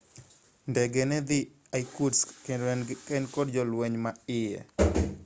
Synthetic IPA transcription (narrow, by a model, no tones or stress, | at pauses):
ndɛɡɛnɛd̪i | ajkudsɛkɛnkɔdd͡ʒɔlwɛɲmaɪjɛ̰